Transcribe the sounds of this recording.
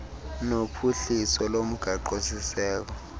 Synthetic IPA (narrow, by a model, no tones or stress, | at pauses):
nopʰuɬisɔlom̩ɡ̥ʱaǃosisɛːk̬ɔ